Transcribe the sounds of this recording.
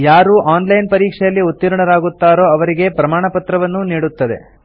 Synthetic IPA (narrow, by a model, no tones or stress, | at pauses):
jaːɾuːʔaːnlɐjnpɐɾiːkʂɛjɐlːiut̪ːiɾuɳɐɾaːɡut̪ːaːɾo̞ːɐʋɐɾiɡe̞pɾɐmaːɳɐpɐt̪ɾɐʋɐnːuniːɽut̪ːɐd̪e̞̰